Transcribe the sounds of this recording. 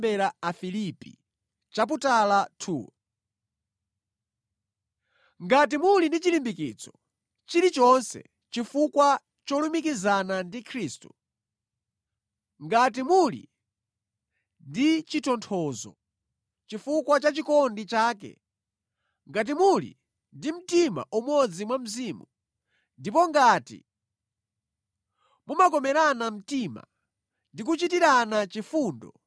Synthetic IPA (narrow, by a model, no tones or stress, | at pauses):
bɛɾaafilipḭ | t͡ʃap̬utalatʰuːw | ŋɡat̬imulindit͡ʃilimbikit͡sɔ̥ | t͡ʃiɾit͡ʃɔnsɛ̰ | t͡ʃifukwa | t͡ʃɔlumik̬izanandikʰɾiːstu | ŋɡat̬imulḭ | ndit͡ʃitɔntʰɔːzɔ̰ | t͡ʃifukwat͡ʃat͡ʃikɔndit͡ʃaːkɛ̰ | ŋɡat̬imulḭ | ndim̩tima̰ʔumɔd͡zimwam̩zimu | ndipɔŋɡatḭ | mumakɔmɛɾanam̩tima̰ | ndik̬ut͡ʃitiɾanat͡ʃifuːndɔ̰